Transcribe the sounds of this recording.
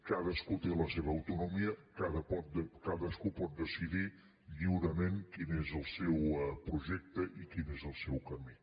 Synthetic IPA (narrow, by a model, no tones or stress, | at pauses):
kaðəskut̪eləseβəːwt̪unumiəkaðəpɔt̪̚əkaðəskupɔt̪̚d̪əsiði | ʎiwɾəmeŋkinezəlˠsɛwpɾuʒɛk̚t̪əʔikinezəlˠsɛwkəmi